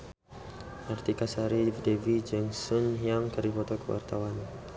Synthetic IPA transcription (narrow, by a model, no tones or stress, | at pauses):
ʔart̪ikasaɾifdevid͡ʒɛŋsɔnɦiamkərdifɔt̪ɔkəwa̰rt̪awan